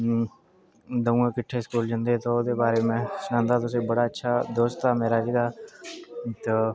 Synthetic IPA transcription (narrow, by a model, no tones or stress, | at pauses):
d̪əũẽːkɪʈʰːeːskuːld͡ʒə̃nd̪eːt̪oːoːd̪eːbaːɾeːmɛ̃ːsənãːnd̪aːt̪ʊs̬eːbəɽaːətːʃʰaːd̪oːst̪aːmeːɾaːd͡ʒiːd̪aː | t̪oː